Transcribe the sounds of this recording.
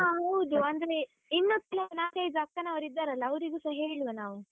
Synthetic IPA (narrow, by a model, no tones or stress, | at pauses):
aɦɐwd̪uɐnd̪ɾe | inːot̪ːilɐɐnaːkejd͡ʒakːɐnaʋɐɾid̪ːaɾɐlːɐːʋɾiɡuːsɐɦeːɭʋenaːʋu